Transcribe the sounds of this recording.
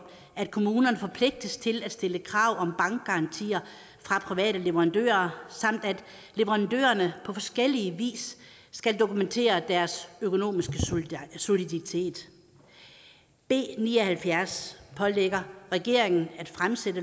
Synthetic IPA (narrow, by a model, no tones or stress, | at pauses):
æd̥̚kʰo̝muːnɐnəfɒ̽pʰle̝ɡ̥̚d̥əst͡sʰe̝læd̥sd̥e̝ləkʰʁɑ̈ʊ̰ɒ̽mb̥ɑ̈ŋɡ̥̚ɡ̥ɑ̈ɑ̈nt͡sʰḭːɐ | fʁɑ̈pʰʁiʋɛ̰ːɾəle̝ʋɐʁɑ̈nd̥ø̰ːɐsɑ̈m̰d̥æd̥ | le̝ʋəʁɑ̈nd̥ø̰ːɐnəpʰɒ̽fɒ̽sɡ̥el̰iəʋḭːsː | ɡ̥æld̥o̝kument͡sʰe̝̰ːɐd̥æɐsøkʰo̝no̝̰ːmisɡ̥əso̝lidɑit͡sʰe̝̰ːd̥ | b̥e̝̰ːniːɐhælfjæɐspʰɒ̽leɡ̥ɐʁɛɡ̥e̝ɐe̝ŋn̩æd̥fʁamsed̥ə